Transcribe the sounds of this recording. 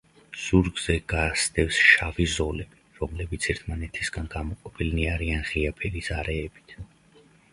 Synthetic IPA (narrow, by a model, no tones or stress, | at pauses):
z̥uɾɡz̥ɛɡ̥asd̪ɛfsʃavizɔlɛ | ɾɔmlɛbit̪sʰɛɾt̪ʰmanɛt̪ʰisɡanɡamɔqʼɔpʰilniaɾianʁiapʰɛlisaɾɛːbit̪ʰ